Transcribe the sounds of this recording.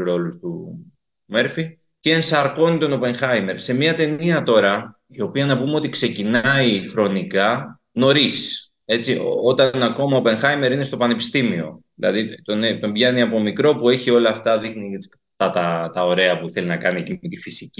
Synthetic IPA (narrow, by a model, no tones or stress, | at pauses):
ɾo̞lust̪u | me̞ɾfi | ceːnsɐɾko̞nit̪o̞no̞pe̞nxɐjme̞ɾse̞mɲɐt̪e̞niɐt̪o̞ɾɐ | io̞piɐnɐpumeo̞t̪ikse̞cinɐixɾo̞nikɐ | no̞ɾis | e̞t͡sioo̞t̪ɐnɐko̞mɐope̞nxɐjme̞ɾinest̪o̞pɐne̞pi̥st̪imio̞ðilɐ̰ðit̪o̞net̪o̞mbʝɐniɐpo̞mikɾo̞pue̞çio̞lɐːft̪ɐðixniet͡si̥ | t̪ɐt̪ɐt̪ɐo̞ɾe̞ɐpuθe̞linɐkɐniecimet̪ifisici